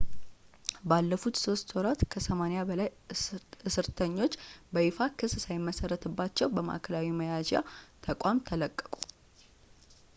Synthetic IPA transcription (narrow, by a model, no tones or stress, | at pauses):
balːəfut̪so̞st̪ʰwoɾat̪kʰəsəmanjabəlaj | ɨsɨɾt̪ʰəɲːo̞t͡ʃːbəifakʰɨssajɪmːəsəɾːət̪ʰɨbːat͡ʃːɛwbəma̰ʔkʰəlawiməjad͡ʒja̰t̪ʰəkʷʼamt̪ʰələkʼːə̥kʼu̥